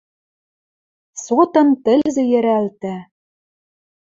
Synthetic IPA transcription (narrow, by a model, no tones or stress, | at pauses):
sot̪ɤ̆nt̪ɘ̆lzɘ̆jɘ̆ɾælt̪æ